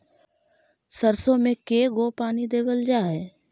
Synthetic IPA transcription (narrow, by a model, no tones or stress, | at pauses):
səɾsõmẽkeːɡopaːnid̪eːʋəld͡ʒaːɦɛː